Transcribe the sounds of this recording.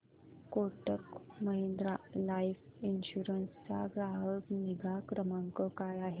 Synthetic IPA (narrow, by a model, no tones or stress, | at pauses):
koʈəkməɦend̪ɾalaifinɕuɾənst͡sa̰ɡɾaɦəkniɡʱakɾəməŋkəkajaɦe